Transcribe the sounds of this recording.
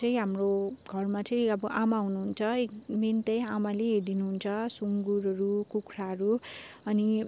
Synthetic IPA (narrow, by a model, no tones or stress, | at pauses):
ʌĩɦamroɡʱʌrmat͡sʌj̃ʌbʌʔamaɦunuɦunt͡sʰʌek̚d̪int̪ʌj̃amaleɦeɾd̪inuɦunt͡sʰʌsuŋɡuɾɦʌɾukukʰɾaɦʌɾu | ʌni